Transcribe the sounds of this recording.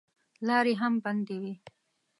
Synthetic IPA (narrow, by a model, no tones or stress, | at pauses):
lɑːɾeɦamband̪ewi